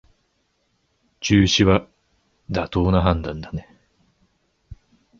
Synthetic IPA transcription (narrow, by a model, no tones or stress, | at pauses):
t͡ɕɨːɕiβa | d̪at̪o̞ːnaɦãnd̪ãnd̪ane